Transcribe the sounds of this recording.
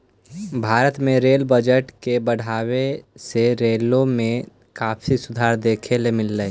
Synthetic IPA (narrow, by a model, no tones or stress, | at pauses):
bʱaːɾət̪mẽɾeːlbəd͡ʒəʈkebəɽ̤aːweseɾeːlõmẽ | kaːpʰisʊd̪ʱaːɾd̪eːkʰelemɪlːə